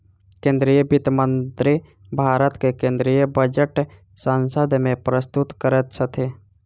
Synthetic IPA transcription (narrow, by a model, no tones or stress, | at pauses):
kẽːnd̪ɾijəbɪt̪mə̃nt̪ɾi | bʱaːɾət̪kekẽːnd̪ɾijəbəd͡ʒəʈ | sə̃nsəd̪ʱmẽpɾəst̪ʊt̪kəɾət̪sət̪ʰe